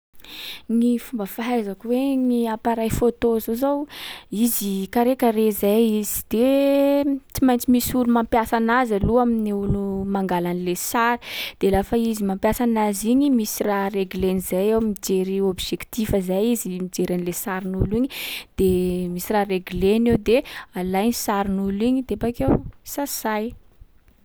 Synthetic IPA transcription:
ŋifumbəfaɦajzakuweŋiapaɾajfot̪ozozawizikaɾekəɾezajizi̥d̪̥e | t͡simajnt͡simisulumampjasanazaluaminiulumaŋɡalanilesaɾi̥d̪̥elafaizimampjasanaziɲimisirareɡulenizajewmid͡ʒeɾiobʒekt̪ifazajizimid͡ʒeɾanlesaɾinuliɲid̪̥emisirareɡulenewd̪ealajnisaɾinuliɲid̪abakewsasaj

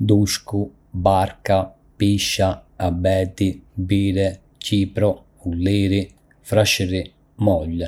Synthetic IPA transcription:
d̪uʃku | baɾka | piʃːaabɛːt̪ibiːɾɛ | ciːpɾɔ | ulːiːɾi | fɾaʃiɾi | mɔʎːɛ

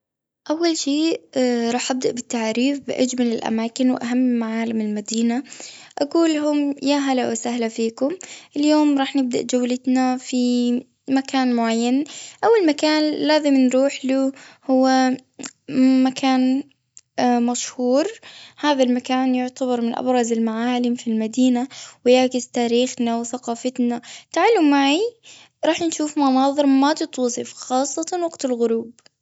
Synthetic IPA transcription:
ʔawːalʃeːɾˤɑːħʔab̚d̪aʔbɪt̪ːaʕaːɾiːfbɪʔad͡ʒmɪnɪlʔa̰maːkɪnwʔaɦamːɪmaʕaːlamɪlmad̪iːnaʔaɡuːlɦʊmjaːɦalaʔʔsahlafiːkʊmʔɪljoːmɾˤɑːħnɪb̚d̪a̰ʔd͡ʒawːlɪt̪nafi | makaːnmʊʕajːanʔawːalmakaːnlaːzɪmnɾuːħluhʊwːa | makʰaːn | maʃhuːɾhaːðalmakaːnjʊʕt̪abɑɾˤmɪnʔa̰bɾˤɑzɪlmaʕaːlɪmfilmad̪iːnawɪjaʕkɪzt̪aːɾiːxnawɪθaqɑːfat̪nat̪aʕalːʊmmːaʕi | ɾˤɑːħnʃuːfmɑnɑːðˤɨɾˤmat̪ɨt̪ˤuːsˤɪfxɑːsˤːɑt̪ɑnwɑɡt̪ɪlɣʊɾuːb̚

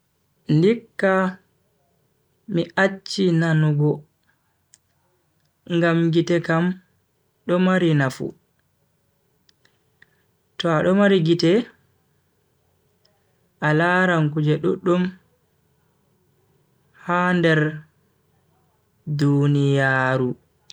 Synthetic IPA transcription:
ndikːa | miʔat͡ʃːinanuɡɔ | ŋɡamɡitɛkam | ɗɔmaɾinafṵ | tɔaɗɔmaɾiɡitɛ | ʔalaɾaŋkud͡ʒɛɗuɗːum | handɛɾ | dunijaːɾu

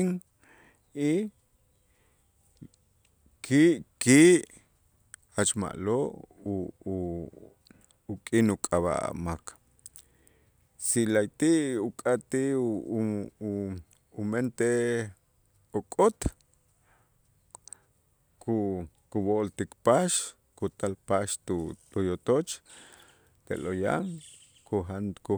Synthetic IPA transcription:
ŋ | i | kʰiʔkiʔ | at͡ʃma̰ʔloʔ | kʼinukʼaβa̰a̰mak | silajt̪iʔukʼat̪iʔ | ument̪e | okʼot̪ | kʰu | kuβoʔlt̪ikpaʃ | kut̪alpaʃt̪ut̪ujot̪ot͡ʃ | t̪ḛloja̰ŋ | koɦanku

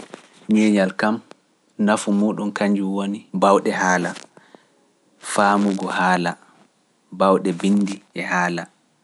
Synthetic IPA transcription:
ɲɛɲalkam | nafumuːɗunkaɲd͡ʒuwonibawɗɛɦaːla | faːmuɡɔhaːla | bawɗɛbinːdiɛhaːla

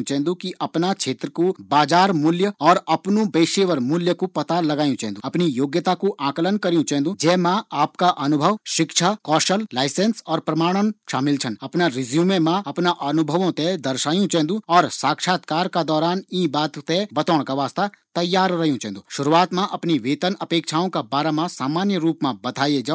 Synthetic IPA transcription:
t͡ʃɛɦnd̪ũkiʔɐpnat͡ʃʰeːt̪ɾəkobaːd͡ʒaːɾmʊljəɔːɾɐpnũbeːʃeːʋəɾmʊljəkupɐt̪alɐɡaːjũt͡ʃɛ̃ɦnd̪ũɐpnijoːɡjət̪akuʔãːklənkɐɾijũt͡ʃɛ̃ɦːnd̪ũd͡ʒɛːmãaːpkaʔɐnʊbʱəʋʃɪkʃʰakɔːʃəllaːɪsẽnsɔːɾpɾɐmaːɽ̃ənʃaːmɪlt͡ʃʰənɐpnaɾɪzjuːmẽmãɐpnaʔɐnʊbʱəʋõt̪ed̪ɐɾʃaːjũt͡ʃɛ̃ɦnd̪ũɔːɾsaːkʃaːt̪kaːɾkad̪ɔːɾaːnĩːbaːt̪t̪ebɐt̪ɔːɳkaʋaːst̪at̪ɐjːaːɾɾɐɦjũt͡ʃɛ̃ɦːnd̪ũʃʊɾuaːt̪mãʔɐpniʋeːt̪ənɐpeːkt͡ʃʰaːõkabaːɾamãsaːmaːnjəɾuːpmãbɐt̪aːjed͡ʒa

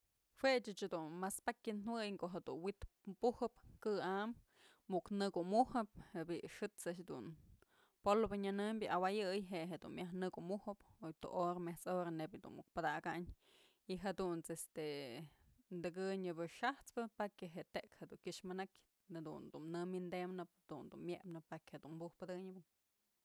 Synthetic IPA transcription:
hwet͡ʃɨt͡ʃed̪unmaspakʲɨnnwɨjkoʔɦed̪ṵnwit̪puhɨpkɨamː | uʔknɨɡumuhɨp̚hebiʔʂɨt͡saʃd̪ṵn | polobɨɲanɨmbʲɨʔawajɨjɦeɦed̪ṵnmjaɦnɨɡumuhɨpojt̪ṵʔoɾmeht͡soɾanebʲjd̪ṵnmuk̚pɨd̪aɡaʔɲ | iɦad̪unt͡sest̪e | nd̪ɨɡɨɲɨbɨʂaht͡spɨpakʲeɦeʔt̪eʔkhed̪uŋkʲɨʂmɨnakʲ | ad̪ṵnd̪umnɨmind̪emnɨpd̪̥ṵnd̪unmjeʔpnɨpakʲhed̪unmbuhpɨd̪ɨɲɨbɨ

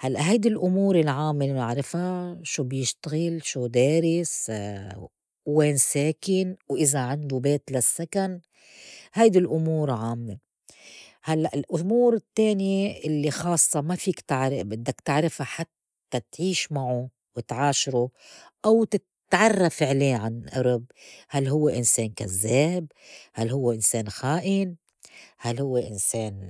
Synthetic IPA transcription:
halːaʔɦajd̪ilʔʊmuːɾɪlʕaːmːeɪʕɾˤɪfaʃuːbjɪʃt̪aɣɪlʃuːd̪eːɾɪs | weːnseːkɪnwʔɪzaʕand̪ubeːt̪lasːakan | hajd̪ɪlʔʊmuːɾʕaːmːe | halːaʔɪlʔʊmuːɾɪt̪ːeːnjeʔɪlːixɑːsˤːɑmafiːkt̪ɪʕɾbɪd̪ːakt̪ɪʕɾɪfaħat̪ːat̪ʕiːʃmaʕu | wɪt̪ʕaːʃɾuʔawt̪ɪt̪ʕɑrˤːafɪʕleːʕanʔɑɾɪb̚halːɦʊwːeʔɪnseːnka̰zːeːb̚halhʊwːeʔɪnseːnxaːʔɪn | halhʊwːeʔɪnseːn

